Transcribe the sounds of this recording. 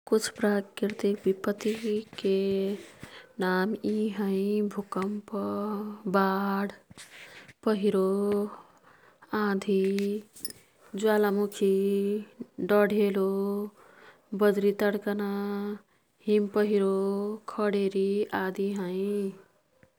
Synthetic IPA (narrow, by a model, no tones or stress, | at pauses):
kut͡ʃʰpɾakiɾt̪ikbipət̪ike | namiɦəɪ̃bʱukəmp | baɽ | pəɦiɾo | ãd̪ʱi | d͡ʒualamukʰi | ɖəɽʱelo | bəd̪ɾit̪əɽkəna | ɦimpəɦiɾokʰəɽeɾiad̪ʱiɦə̃ɪ